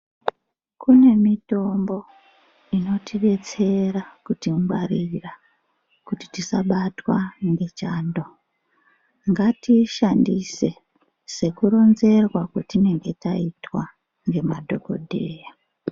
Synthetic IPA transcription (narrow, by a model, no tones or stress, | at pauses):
kune̞mito̞mbo̞ | ino̞tʰiɓe̞t͡se̞rakutimwarira | kuti̥tisaɓatwaŋɡe̞t͡ʃaːndo̞ | ŋɡatiʃandise̞ | se̞kuɾo̞nze̞rwakotine̞ŋɡe̞taitwa | ŋɡe̞madʱo̞ko̞̰dʱe̞ːja